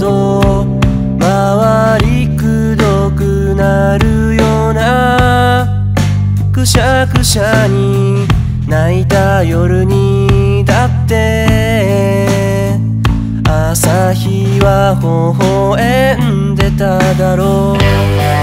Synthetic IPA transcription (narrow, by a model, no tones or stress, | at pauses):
d̪o | ma | βa | ɾʲikɯ | d̪o | kɯ̟ | na | ɾɯ̟ | joːna | kɯ̟ɕa | kɯ̟ɕaɲ̟i | nait̪a | jo̞ɾɯ̟ɲ̟i | d̪at̪ːe̞ | a | sa | çi | βa | ho | ɦo | e | n | d̪e̞t̪ad̪aɾo